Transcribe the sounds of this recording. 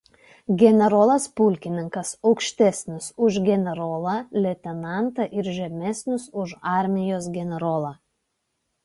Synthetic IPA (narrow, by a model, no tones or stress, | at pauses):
ɡʲɛnʲɛɾoːlˠɐspʊlʲkʲɪnʲɪŋkɐsɒʊkʃʲt̪ʲɛsʲnʲɪsʊʒɡʲɛnʲɛɾoːlˠɑlʲɛt̪ʲɛnɑˑnt̪ɐʔɪɾʒʲɛmʲɛsʲnʲʊsʊʃɑˑɾʲmʲɪjoːsɡʲɛnʲɛɾoːlˠɑː